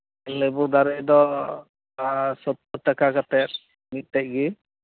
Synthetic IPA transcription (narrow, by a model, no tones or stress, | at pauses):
ɛlɛbɔd̪aɾɛjd̪ɔ | sɔt̪ːɔʈakakat̪ɛɾ | mit̪̚ˀt̪ɛc̚ɡi